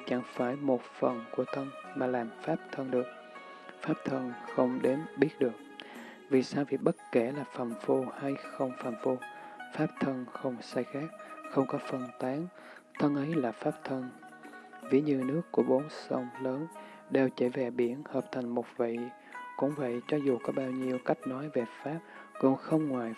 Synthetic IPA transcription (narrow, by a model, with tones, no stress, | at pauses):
t͡ɕa˧˩˦ŋfaː˧˩jmo˨˩t̚fə˨˩nku˧˩ət̪ʰə˧nmaː˨˩laː˨˩mfaː˦˥p̚t̪ʰə˧nɗɨ˨˩ək̚ | faː˦˥p̚t̪ʰə˧nxə˧wŋ͡mɗe˨˦nɓi˦˥ət̚ɗɨ˨˩ək̚ | vi˨˩saː˧wvi˨˩ɓə˦˥t̚kɛ˧˩laː˨˩fa˨˩mfu˧ha˧jxə˧wŋ͡mfaː˨˩mfu˧faː˦˥p̚t̪ʰə˧nxə˧wŋ͡msaː˧jxaː˦˥k̚xə˧wŋ͡mkɔ˨˦fə˧nt̪aː˨˦ŋ | t̪ʰə˧nʔə˨˦jlaː˨˩faː˦˥p̚t̪ʰə˧n | vḭ˧˩əɲɨ˧nɨ˦˥əkːu˧˩əɓo˨˦nsə˧wŋ͡mləː˨˦n | ɗe˨˩wt͡ɕə˧˩vɛ˨˩ɓi˧˩ənhəː˨˩p̚t̪ʰa˨˩jŋ̟mo˨˩t̚vḭ˧˨ | kʊ̰˧˥ŋ͡mvə̰˧˨jt͡ɕɔ˨˦zu˨˩kɔ˨˦ɓaː˧wɲi˧əwka˦˥jk̟̚nɔ˨˦jve˨˩faː˦˥p̚kʊ̰˧˩ŋ͡mxə˧wŋ͡mŋwaː˨˩j